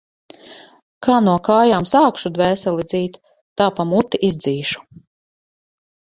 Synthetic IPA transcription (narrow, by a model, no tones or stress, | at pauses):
kʰaːnuɔkaːjaːmsaːkʃud̪vɛːsɛlˠid̪ziːt̪ː | aːpamut̪iʔizd̪ziːʃu̥